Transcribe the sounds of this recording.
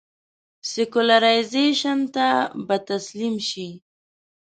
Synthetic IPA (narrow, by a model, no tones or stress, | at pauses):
sɪkʊlaɾajzeʃant̪abat̪aslimʃi